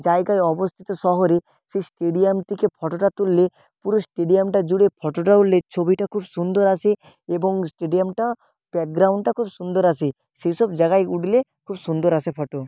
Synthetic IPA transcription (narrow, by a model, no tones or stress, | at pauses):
d͡ʒajɡajɔbost̪ʰit̪osɔɦoɾe | sesʈeɖiamt̪ikepʰɔʈoʈat̪ulːe | puɾosʈeɖijamʈad͡ʒuɽepʰɔʈoʈaullet͡ʃʰobiʈakʰubsund̪oɾasʰe | eboŋsʈeɖijamʈa | b̥ɛk̚ɡɾawɳɖʈakʰubsund̪oɾasʰe | sejsɔbd͡ʒaɡajuɽlekʰubsund̪oɾasʰepʰɔʈo